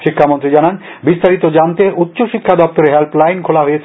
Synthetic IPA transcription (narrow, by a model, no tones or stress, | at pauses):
ʃikʰːamont̪ɾid͡ʑanan | bist̪aɾit̪od͡ʑant̪eʔut̪ːɕoʃikʰːad̪ɔp̚t̪oɾeɦɛlplajnkʰolaɦojet͡ɕʰ